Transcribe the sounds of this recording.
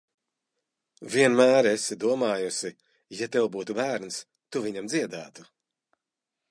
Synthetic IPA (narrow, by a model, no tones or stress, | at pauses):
viɛnmæːɾɛsid̪uɔmaːjusi | jat̪ɛwbuːt̪ubæːɾns | t̪uviɲamd̪ziɛd̪æːt̪u̥